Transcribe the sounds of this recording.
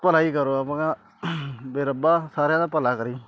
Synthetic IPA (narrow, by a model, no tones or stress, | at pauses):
pəlaːiːkəɾoːapãːka | beːɾəbaːsaːɾjãːnãpəlaːkəɾiː